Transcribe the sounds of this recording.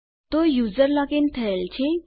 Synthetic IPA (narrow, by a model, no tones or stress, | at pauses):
t̪ojud͡zəɾlakent̪ʰəelt͡ɕʰe